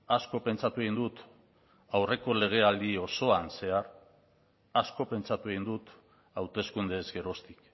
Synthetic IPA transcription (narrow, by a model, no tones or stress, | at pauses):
asko̞pe̞nt͡ʃat̪ue̞ɣind̪ut̪ | awre̞ko̞le̞ɣ̞e̞ald̪io̞so̞anse̞aɾ | asko̞pe̞nt͡ʃat̪ue̞ɣind̪ut̪ | awt̪e̞skund̪e̞zɡe̞ɾo̞st̪i̥k